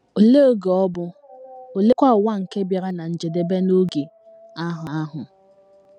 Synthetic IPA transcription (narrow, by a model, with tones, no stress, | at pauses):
o˨le˦o˦ɡe˨ɔ˦bʊ˦o˨le˦kʷa˦ʊ˨wa˦ŋ̩˨ke˦bja˨ɾa˦na˨n̩˨d͡ʒe˨de˨be˦no˦ɡi˨ | a˦ɦa˨a˦ɦʊ˨